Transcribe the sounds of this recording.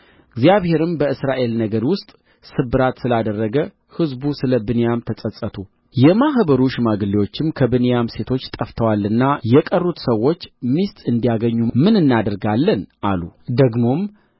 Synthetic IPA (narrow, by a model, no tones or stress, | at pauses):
ɨɡzijaβhe̞ɾɨmbəɨsɾaʔe̞lnəɡəɾwʊst̪ʼ | sɨbːɨɾat̪sɨlad̪ərːəɡə | hɨzbusɨləbɨnejamt̪ʰəsʼəsʼət̪ʰu | jɛmaɦbəɾuʃmaɡɨliwo̞t͡ʃːɪmkʰəbɨnejamse̞t̪ʰo̞t͡ʃːt̪ʼəft̪ʰəwalɨnːajɛkʼərːut̪səwːo̞t͡ʃːmist̪ʼɨnd̪ijaɡəɲːumɨnɨnːad̪əɾɡalːənʔalud̪əɡmo̞m